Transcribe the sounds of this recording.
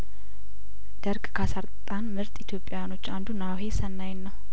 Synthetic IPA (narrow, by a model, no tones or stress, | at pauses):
d̪̥əɾkʼkʰasaɾt̪ʼt̪ʼanmɨɾt̪ʼit̪ʰjo̞pʼːjajano̞t͡ʃːand̪unawɦe̞sənːajnːəw